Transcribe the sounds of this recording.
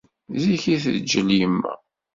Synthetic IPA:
ziçiθəðd͡ʒəljəmːæ̰

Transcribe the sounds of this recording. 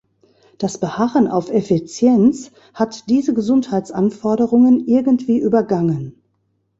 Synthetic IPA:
d̥asb̥əhaʁənʔa̰ʊfefit͡sjɛnt͡s | hatd̥iːzəɡəzʊnthaɪtt͡sʔanfɔɐɾəʁʊŋənʔɪɐɡn̩tv̥iːʔyːbɐɡaŋən

